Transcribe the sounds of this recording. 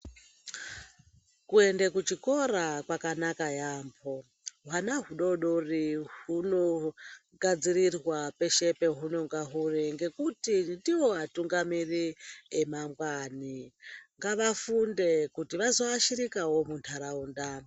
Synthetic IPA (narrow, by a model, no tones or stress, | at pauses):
kue̞ndekut͡ʃiko̞ɾakwakanakajaːmbʰo̞ | ɦwanaɦuɗo̞ɗoriɦuno̞ | ɡʱad͡zirirwape̞ʃe̞pe̞ɦuno̞ŋɡaɦuriŋɡe̞kutindiwo̞atuŋɡamiriemamɡwaniŋɡaʋafunde̞kutiʋazo̞aʃiɾikawo̞muntʰaɾauːnda